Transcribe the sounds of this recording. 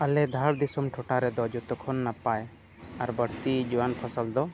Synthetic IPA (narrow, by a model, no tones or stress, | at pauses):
əlɛd̪ʱaɾd̪isɔmʈʰɔʈaɾɛd̪ɔd͡ʒɔt̪ɔkʰɔnːapaj | aɾbəɽt̪id͡ʒiwanpʰɔsəld̪ɔ